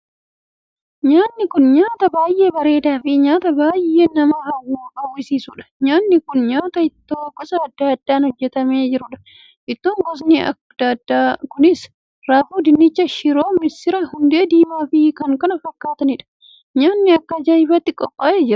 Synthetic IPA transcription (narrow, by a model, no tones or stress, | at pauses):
ɲaːnːɪkʊnɲaːt̪ɐbaːjʔe̞ːbɐɾe̞ːd̪aːfɪɲaːt̪ɐbaːje̞ːnɐmɐhɐwːuːbɐwːɪsiːsʊᶑɐ̥ɲaːnːɪkʊnɲaːt̪ɐɪt̪ːoːɡɔsɐɐd̪ːaːɐd̪ːaːnhɔd͡ʒːɛt̪ɐmeːd͡ʒɪɾʊᶑɐ̥ | ʔɪt̪ːoːŋɡɔs̬niɐ̰ | d̪dakʊnɪs | ɾaːfuːd̪ɪnːɪt͡ʃːɐʃɪɾo̞ːmɪsɪɾɐhʊnd̪e̞ːd̪iːmaːfɪkɐŋkɐnɐfɐkːaːt̪ɐnɪᶑɐ̥ | ɲaːnːɪɐkːɐd͡ʒɐɪfɐt̪ːɪkʼɔpʼːaːeːd͡ʒɪɾɐ